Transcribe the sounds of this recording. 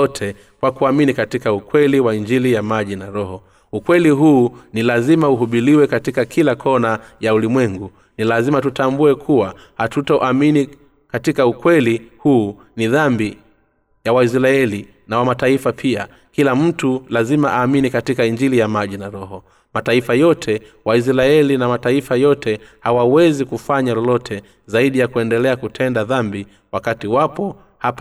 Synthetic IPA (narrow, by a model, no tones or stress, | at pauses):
ɔtʰɛ | kwakuaminikatikaukwɛliwaiɲd͡ʒilijamaʄinaɾɔhɔ | ukwɛliɦuːnilazimauɦuɓiliwɛkatikakʰilakʰɔnajaulimwɛŋɡu | nilazimatutambuɛkʰuwa | hatutɔʔamini | katikaukwɛlihuː | niðambi | jawais̬ɾaɛli | nawamataifapʰia | kilam̩tulazimaʔaːminikatikaiɲd͡ʒilijamaʄinaɾɔɦɔ | mataifajɔtʰɛwais̬ɾaɛlinamataifajɔtɛhawawɛzikufaɲalɔlɔtʰɛ | zaiɗijakuɛndɛlɛakutʰɛndaðambi | wakatiwapɔ | hap